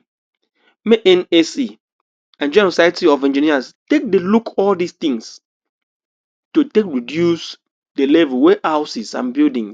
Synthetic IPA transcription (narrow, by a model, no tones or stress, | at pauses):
meʔɛ̃nesi | ãnd͡ʒɛ̃nosajtiɔfɛ̃nd͡ʒiniastek̚delukʰɔldist̪ĩŋs | totekɹidjus | delevɛlweʔaʊsisã̰nbildĩŋs